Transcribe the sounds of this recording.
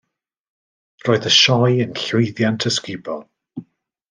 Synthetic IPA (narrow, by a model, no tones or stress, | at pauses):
roːɨðəʃɔjənɬɪjðjantʰəskɪbɔlˠ